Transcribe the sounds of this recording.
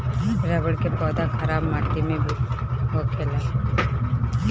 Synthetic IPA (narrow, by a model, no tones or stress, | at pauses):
ɾəbəɽkepɔːd̪akʰəɾaːbmaːt̪imẽbʱiɦokʰeːla